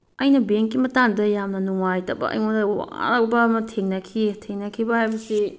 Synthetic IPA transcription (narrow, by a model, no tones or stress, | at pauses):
ɐjnɐbeŋkːimɐtaŋdɐjamnɐnuŋajtɐbɐ̰ʔɐ̰jŋondɐwa̰ŋa̰ɾɐk̚bɐmɐtʰeŋnɐkʰitʰeŋnɐkʰibɐhajbɐsi